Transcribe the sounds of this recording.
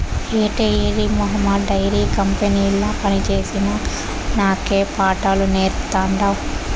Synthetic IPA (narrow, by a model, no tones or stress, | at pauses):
eːʈeiɾimɔɦɐmːɐɖːɐjɾiːkɐmpeniːlːɐːpɐnit͡ʃe̞ːsinɐ | naːkeːpaːʈaːluneːɾt̪aːɳɖaːw